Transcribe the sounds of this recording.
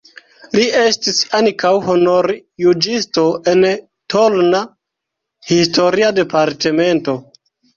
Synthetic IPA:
lie̞stisankawho̞no̞ɾjud͡ʒisto̞ʔe̞n | to̞lna | histo̞ɾiade̞paɾte̞me̞nto̞

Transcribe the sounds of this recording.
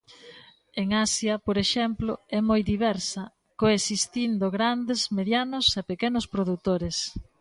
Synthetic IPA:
eŋasjɐpoɾeʃɛmploɛmojðiβ̞ɛɾsɐ | koesist̪ind̪oɣɾand̪ezmeðjanʊsepekɛnʊspɾoðut̪oɾes

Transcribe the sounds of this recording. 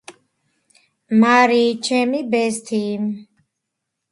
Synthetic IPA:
maɾiːt͡ʃʰɛmibɛst̪ʰiːm

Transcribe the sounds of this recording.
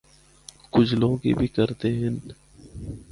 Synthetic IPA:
kʊt͡ʃʰloːɡḭbʱikəɾt̪eɦɛn

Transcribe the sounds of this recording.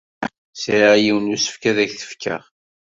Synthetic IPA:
sɾajiwnusə̥fkæðæçθə̥fkʰə̰ʁ

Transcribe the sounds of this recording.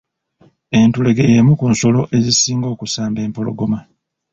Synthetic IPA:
e̞ntule̞ɡejemukunso̞lo̞ʔe̞zisiːŋɡo̞ːkusaːmbe̞ːmpo̞lo̞̰ɡo̞ma

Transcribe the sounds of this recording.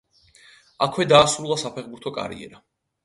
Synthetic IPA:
akʰwɛd̪aːsɾulˠasapʰɛχbuɾt̪ʰɔkʼa̰ɾḭɛ̰ɾa

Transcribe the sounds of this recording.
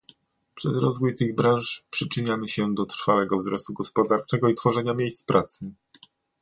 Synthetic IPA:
pʂɛzɾɔzvujt̪ɘɣbɾãʂpʂɘt͡ʂɘɲamɘɕɛd̪ɔt̪ɾ̥fawɛɡɔvzɾɔst̪uɡɔspɔd̪aɾt͡ʂɛɡɔit̪fɔʐɛɲamʲjejst̪pɾat̪sɘ

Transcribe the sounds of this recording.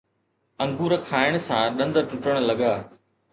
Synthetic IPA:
ɐ̃ŋɡuːɾəkʰaːɪɽ̃̆sãɗɐ̃nd̪ʈʊʈəɽ̃̆lɐɠaː

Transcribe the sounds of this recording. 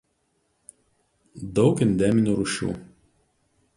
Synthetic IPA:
d̪ɒʊkɪnʲd̪ʲɛmʲɪnʲuːɾʊʃʲṵː

